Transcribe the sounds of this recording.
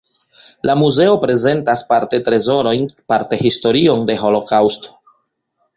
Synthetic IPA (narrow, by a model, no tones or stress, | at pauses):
lamuze̞o̞pɾe̞ze̞ntaspaɾte̞tɾe̞zo̞ɾo̞jnpaɾte̞histo̞ɾio̞nde̞ɦo̞lo̞kawsto̥